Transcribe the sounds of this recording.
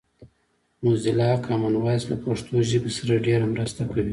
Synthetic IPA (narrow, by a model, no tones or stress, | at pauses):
muzɪlɑkʰɑmanwɑjslapaʂt̪oʒɪbesaɾaɖeɾamɾast̪akawi